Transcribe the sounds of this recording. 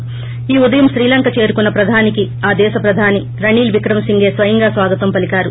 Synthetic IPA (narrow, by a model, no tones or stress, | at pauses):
iːud̪ɐjɐmʃɾiːlɐŋkɐt͡ʃe̞ːɾukunːɐpɾɐd̪ʱaːniki | aːd̪ɛːʃɐpɾɐd̪ʱaːni | ɾɐɳiːlʋikɾɐmsiŋɡe̞ːsʋɐjɐŋɡaːsʋaːɡɐt̪ʋɐmpɐlikaːɾu